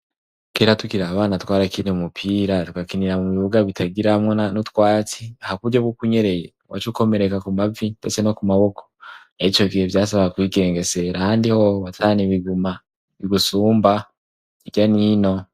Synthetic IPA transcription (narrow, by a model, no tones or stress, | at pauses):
keːɾatukiɾaβaːnatwaːɾakiniumupʰiːɾatu̥kakiniɾamuβiβuɡaβitʰaɡiɾahamŋeanutkwaːt͡siahakuβuɾɟobɡokuɲe̞ɾe̞je | wa̰t͡ʃuko̞me̞ɾekakumavibeseno̞kumaβo̞kʰo̥ | ait͡ʃo̞kihevjaːsaβaakwiːɡe̞ːŋɡe̞se̞ɾahaːndihoβatʰaːniβiɡuma | βiɡusuːmba | iɟanino̞